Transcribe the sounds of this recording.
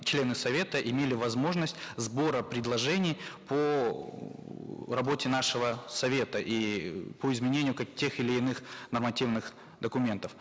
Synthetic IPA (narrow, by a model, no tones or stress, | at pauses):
t͡ɕlʲe̞nɨsɐvʲet̪əʔɪmʲelʲɪvɐzmo̞ʐnəsʲtʲzbo̞ɾəpɾʲɪd̪lˠɐʐɛnʲɪjpʰo | rɐbo̞tʲɪnaʂɨvəsɐvʲe̞t̪əʔipoɪzmʲɪnʲenʲɪjʊktʲːe̞xɪlʲɪːnɨxnərmɐtʲivnɨx | d̪əkʊmʲe̞nt̪əf